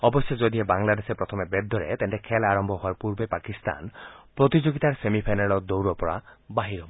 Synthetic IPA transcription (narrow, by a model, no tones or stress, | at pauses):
ɔbɔsjɔd͡ʒɔd̪iebaŋlad̪esepɾɔt̪ʰɔmebed̪ʱːɔɾḛt̪ent̪ekʰelaɾɔmbʱɔɦɔaɾpuɾbepakist̪a̰npɾɔt̪id͡ʒoɡit̪aɾsemipʰajnalɔd̪owɾɔpɔɾa̰baɦiɾɔ